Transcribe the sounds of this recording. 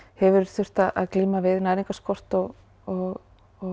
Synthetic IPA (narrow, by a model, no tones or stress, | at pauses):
hɛvʏɾ̥θʏr̥t̪aðʔa̰ðkliːmavɪðnaːjɾiŋkaskɔr̥t̪ɔɣ | ɔɣ | ɔ